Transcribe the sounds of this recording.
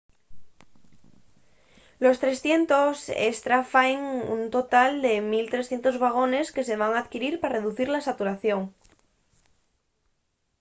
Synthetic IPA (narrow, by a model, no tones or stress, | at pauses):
lo̞st̪ɾe̞sθje̞nt̪o̞sḛst̪ɾafaeŋṵnt̪o̞t̪ald̪e̞milt̪ɾe̞sθje̞nt̪o̞zβaɣ̞o̞ne̞ske̞se̞β̞aŋaðkiɾiɾpare̞ðuθiɾlasat̪uɾaθjo̞ŋ